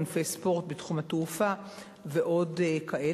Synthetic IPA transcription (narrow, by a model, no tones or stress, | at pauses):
nfejspo̞ʁtbetχumhatufa | veʔo̞dkaʔe